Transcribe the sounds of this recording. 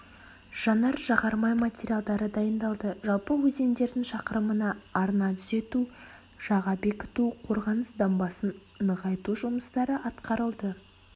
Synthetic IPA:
ʒ̥ɑnɑɾʒɑʁɑɾmɑjmat̪ʲeɾʲijalˠd̪ɑɾəd̪ɑjənd̪ɑlˠd̪əʒɑlˠpəwɵze̞nd̪e̞ɾd̪ɪŋʃɑqəɾəmənɑːɾnɑt̪ʰʏze̞t̪u | ʒ̥ɑʁɑbe̞kʲɪ̥t̪uqʰo̞ɾʁɑnəsd̪ɑmbɑsən | nəʁɑjt̪uʒʊməst̪ɑɾəʔɑt̪qɑɾəlˠd̪ə

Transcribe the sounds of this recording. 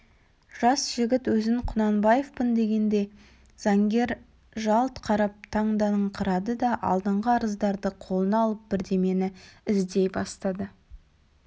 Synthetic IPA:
ʒ̥ɑsʒ̥ɪɡʲɪt̪wɵzɪŋqʰʊnɑnbɑjefpənd̪e̞ɡʲe̞nd̪e̞ | z̥ɑŋɡʲe̞ɾ | ʒɑlˠt̪qʰɑɾɑp̚t̪ʰɑɴd̪ɑnəɴqʰəɾɑd̪əd̪ɑʔɑ̰lˠd̪əɴʁəɑɾəzd̪ɑɾd̪əqʰolˠənɑlˠəp̚b̥ɪɾd̪e̞me̞nɪɪzd̪e̞jbɑst̪ɑd̪ə

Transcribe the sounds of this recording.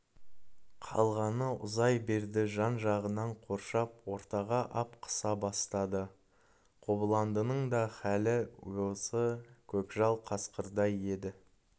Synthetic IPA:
qʰɑ̰lˠʁɑnəʊ̰zɑjbe̞ɾd̪ɪʒɑnʒɑʁənɑɴqʰo̞ɾʃɑpwo̞ɾt̪ɑʁɑʔɑpqʰə̥sɑbɑst̪ɑd̪ə | qʰoblˠɑnd̪ənəɴd̪ɑχælɪ̰josəkʲʰɵkʒɑlˠqʰɑsqəɾd̪ɑje̞d̪ɪ

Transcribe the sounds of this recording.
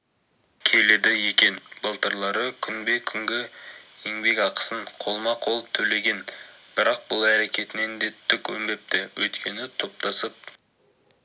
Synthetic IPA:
kʲʰe̞le̞d̪ɪje̞kʲe̞nbəlˠt̪əɾlˠɑɾəkʲʰʏnbe̞kʲʰʏŋɡʲɪeŋbe̞kʲɑqə̥səɴqʰo̞lˠmɑqʰo̞lˠəp̚t̪ʰɵle̞ɡʲe̞nb̥ɪɾɑq̚b̥ʊlˠæɾe̞kʲe̞t̪ɪne̞nd̪e̞t̪ʰːʏkʲwɵ̰mbe̞p̚t̪ɪwɵ̰jt̪kʲʰe̞nɪt̪ʰo̞p̚t̪ɑsəp̚

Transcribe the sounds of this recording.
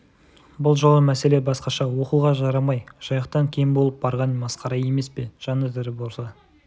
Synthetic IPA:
bʊlˠʒolˠəmæse̞le̞bɑsqɑʃɑwo̞quʁɑʒɑɾɑmɑjʒ̥ɑjɑqt̪ɑŋkʲʰe̞mbo̞lˠəp̚bɑɾʁɑnmɑsqɑɾɑje̞me̞spe̞ʒ̥ɑnəd̪ɪɾɪbo̞lˠsɑ

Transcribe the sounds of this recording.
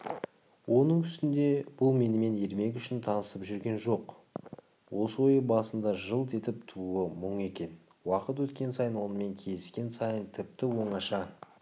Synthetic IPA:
wʔo̞nəɴʰʏst̪ɪnd̪e̞b̥ʊlˠme̞nɪme̞ne̞ɾme̞k̬ʲʏʃɪnt̪ʰɑnəsəpʒʏɾɡʲe̞nʒo̞q | wʔo̞səwo̞jəbɑsənd̪ɑʒəlˠt̪ʰe̞t̪ɪpt̪ʰuuəmʊɴe̞kʲe̞n | wɑqət̪wɵt̪kʲe̞nsɑjənwo̞nəme̞ŋkʲʰe̞zɪskʲe̞nsɑjənt̪ʰɪp̚t̪ɪwo̞ɴɑʃɑ

